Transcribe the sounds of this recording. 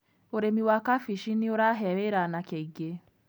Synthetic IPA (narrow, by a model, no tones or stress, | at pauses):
oɾemiwakafiʃinioɾaɦɛβeɾanakeiɡe